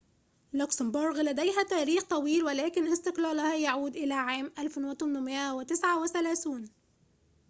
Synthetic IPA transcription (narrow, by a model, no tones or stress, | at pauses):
lʊksɪmboɾˤɡlæd̪æjɦæt̪æːɾiːxt̪ˤɑwiːlwɪlæːkɪnʔɪst̪ɪqlæːlhæjaʕuːd̪ʔɪlæːʕaːmʔælfnwɪt̪ˤʊmːʊmɪʔæwɪt̪ɪsʕawɪθælæːθiːn